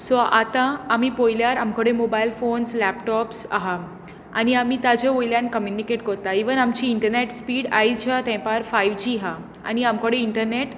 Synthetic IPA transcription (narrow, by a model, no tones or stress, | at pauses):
sɔʔat̪ãːmipojljaɾamkɔɽẽmobajlfonslɛpʈɔpsa̰ɦa | a̰ñiamit̪ad͡ʑeojljãnkəmjunikeʈkɔɾt̪aiʋənamt͡ɕiːɳʈəɾneʈspiːɽa̰it͡ɕʰat̪ɛ̃paɾfaiʋd͡ʑiɦa | a̰ñiamkəɽeiɳʈəɾneʈ